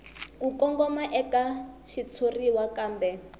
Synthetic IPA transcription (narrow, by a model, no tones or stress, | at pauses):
kukɔŋɡɔmaʔɛkaʃit͡sʰoriwakaːmbɛ